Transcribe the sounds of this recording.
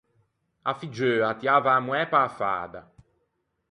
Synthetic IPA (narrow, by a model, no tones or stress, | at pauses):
afid͡ʒøːat̪iaːvaːmuɛpaːfa̰ːd̪a̰